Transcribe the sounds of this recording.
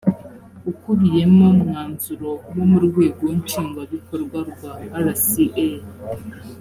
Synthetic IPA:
ukuβije̞momŋaːnzuɾonomuɾɡweːɡoɲt͡ʃiːŋɡaβikoɾɡwaɾɡwaːɾasiʔe

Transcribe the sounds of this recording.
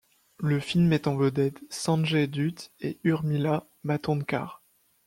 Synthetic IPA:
ləfilmɛt̪ɑ̃vəd̪ɛd̪sɑ̃ʒed̪yt̪eyʁmila | mat̪ɔ̃nka̰ʁ

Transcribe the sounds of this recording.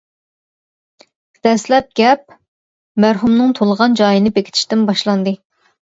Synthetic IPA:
d̪̥ɛslɛp̚ɡʲɛp̚ | mæɾɦumnɨŋt̪ʰolˠəʁɑnd͡ʒɑjinɨbekʲʰɪt̪ʰɪ̥ʃt̪ɪmbɑʃlˠɑnd̪ɨ

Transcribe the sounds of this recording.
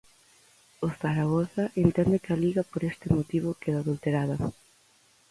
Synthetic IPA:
oθaɾaɣoθɐʔent̪ɛnd̪ɪkaliɣɐpoɾest̪ɪmot̪iβʊkeðaːðult̪eɾaðɐ

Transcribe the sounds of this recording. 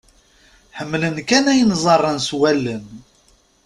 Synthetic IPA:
ħəmːlənkænæjənzˤɑrˤːənswælːən

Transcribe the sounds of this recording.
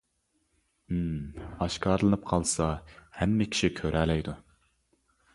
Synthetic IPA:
ɑʃkɑːɾlˠɨnɨp̚qʰɑlˠsɑhɛmːɪkʲʰi̥ʃikʲʰøɾʔælɛjd̪u

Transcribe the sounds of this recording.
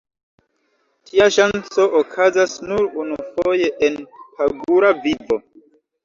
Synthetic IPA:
tʰiaʃant͡so̞ʔokʰazasnuɾunufoje̞ʔenpaɡuɾavivo̞

